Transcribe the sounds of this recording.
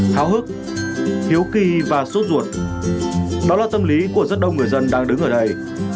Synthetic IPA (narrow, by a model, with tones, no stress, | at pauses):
t̪ʰaː˨˦wɦɨ˦˥k̚ | t̪ʰi˨˦əwki˧vaː˨˩so˦˥t̚zu˧˩ət̚ | ɗɔ˨˦laː˨˩t̪ə˧mli˨˦ku˧˩əzə˦˥t̚ɗə˧wŋɨ˨˩əjzə˧nɗaː˧ŋɗɨ˨˦ŋʔəː˧˩ɗə˧j